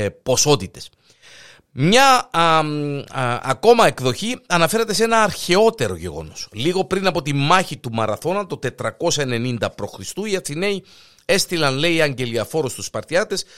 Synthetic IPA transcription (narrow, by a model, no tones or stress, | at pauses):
po̞so̞t̪it̪e̞̥s | mɲɐ | ɐ̰ko̞mɐe̞kðo̞çiɐnɐfe̞ɾet̪e̞se̞nɐːɾçe̞o̞t̪e̞ɾo̞̰ʝe̞̰ɣo̞̰no̞̰sliɣo̞pɾinɐpo̞t̪imɐçit̪umɐɾɐθo̞nɐt̪ot̪e̞t̪ɾɐko̞sɐene̞nind̪ɐpɾo̞xɾist̪uiɐθine̞i | e̞st̪ilɐnle̞iɐɲɟe̞liɐfo̞ɾost̪uspɐɾt̪çɐt̪e̞s